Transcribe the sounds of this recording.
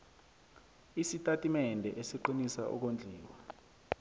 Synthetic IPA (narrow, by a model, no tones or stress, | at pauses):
isitʼatʼimɛndʱɛʔesiǃinisaʔɔ̰k̬ond͡ɮʱiːwa